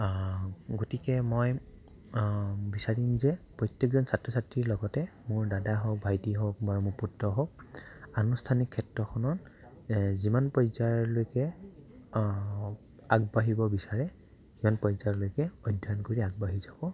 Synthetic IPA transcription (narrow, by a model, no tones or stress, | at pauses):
ɡotikɛmɔj | bisaɹimzɛpɹɔjtjekzɔnsatɹɔsatɹiɹlɔɡɔtɛmʊɹdadaɦɔk̚bʱajtiɦɔk̚baɹumʊɹputɹɔɦɔk̚anustʰanikʰːɛtɹɔxʰɔnɔt | zimanpɔjzajɔɹlojkɛ | aɡ̚baɦibɔbisaɹɛ | zimanpɔjzajɔlojkɛɔjdʱɔnkoɹiaɡ̚baɦizabɔ